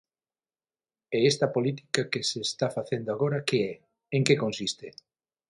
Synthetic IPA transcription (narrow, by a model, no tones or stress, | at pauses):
ɛest̪ɐpolit̪i̥kakeseːst̪afaθend̪oaɣoɾɐkeɛ | eŋkekonsist̪e